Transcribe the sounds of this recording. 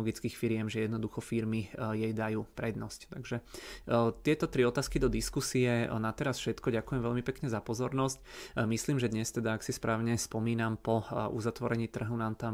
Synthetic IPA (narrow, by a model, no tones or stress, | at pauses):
ɔɡit͡skiːxfiɾɪɛmʒɛjɛd̪nɔd̪uxɔfiɾmijɛjd̪ajuːpɾɛd̪nɔsct̪aɡʒɛ | t̪ɪɛt̪ɔt̪ɾiɔt̪aːskid̪ɔd̪iskusiɛnat̪ɛɾasfʃɛt̪kɔɟakujɛmʋɛʎmipɛkɲɛzapɔzɔɾnɔscmisliːmʒɛd̪ɲɛst̪ɛd̪aaksispɾaːʊɲɛspɔmiːnampɔṵzat̪ʋɔɾɛɲiːt̪r̩ɦɔʊnamt̪am